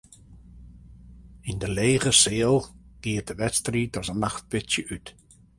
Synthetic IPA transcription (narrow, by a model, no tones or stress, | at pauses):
ɪndəleːɣəseːlˠɡ̥ɪət̚dəʋɛtstridɔzənːaxt̚b̥ɪtjəʔyt